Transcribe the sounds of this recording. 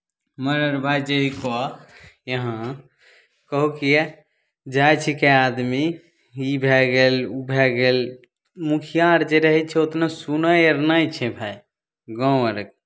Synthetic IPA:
məɾəɾbʱajd͡ʒeɦikɔjəɦã | kəɦukie | d͡ʒajt͡ʃʰikead̪mi | ibʱɛɡelubʱɛɡel | mukʰijaɾd͡ʒeɾəɦɛt͡ʃʰɛot̪nasunəjəɾnajt͡ʃʰɛbʱai | ɡɔ̃əɾk̚

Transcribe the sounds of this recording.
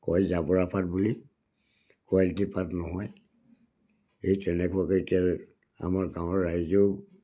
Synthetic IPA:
kɔjzabɔɹapʰatbuli | kualitipatnɔɦɔj | ejtɛnɛkuaketia | a̰maɹɡãw̃ɔɹːajzɔ

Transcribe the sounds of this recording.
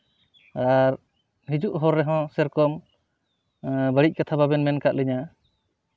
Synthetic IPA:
aɾ | ɦid͡ʒuʔɦɔɾːɛɦɔ̃sɛɾkɔm | bəɽic̚ˀkat̪ʰababɛnmɛnkaʔlɛɲa

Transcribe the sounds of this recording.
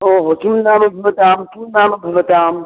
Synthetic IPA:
oːɦoːt͡ʃumnaːmɐbʱɐʋɐt̪aːmkuːnaːmɐbʱɐʋɐt̪aːm

